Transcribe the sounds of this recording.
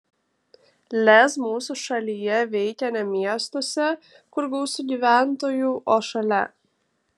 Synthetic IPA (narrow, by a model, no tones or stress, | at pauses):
lʲɛsmuːsuʃɐlʲijɛʋʲɛɪkʲɛnʲɛmʲiɛst̪osʲɛ | kʊɾɡɐʊsʲʊɡʲiːʋʲæˑnt̪oːjuːʔoːʃɐlʲɛ